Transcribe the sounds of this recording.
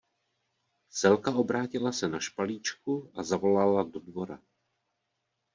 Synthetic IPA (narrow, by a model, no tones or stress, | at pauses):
sɛlkaʔo̞bɾaːcɪlasɛnaʃpaliːt͡ʃkuʔazavo̞lalado̞dvo̞ɾa̰